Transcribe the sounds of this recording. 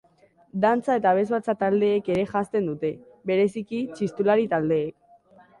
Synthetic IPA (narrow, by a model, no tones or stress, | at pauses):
d̪ant͡sae̞t̪aβ̞e̞zβat͡sat̪ald̪e̞ːke̞ɾe̞ʝast̪e̞nd̪ut̪e̞ | βe̞ɾe̞sikit͡ʃist̪ulaɾit̪ald̪e̞ːk